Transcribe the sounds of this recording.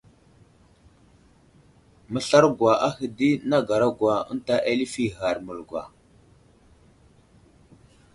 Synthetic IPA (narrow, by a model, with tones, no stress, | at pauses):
mə˦ɬa˦ɾɡwa˨ʔa˦hi˨di˦na˦ɡa˨ɾa˦ɡwa˨ə̰˦n˦ta˦ʔe˦li˦fi˦ɣa˨ɾmə˨lɡwa̰˨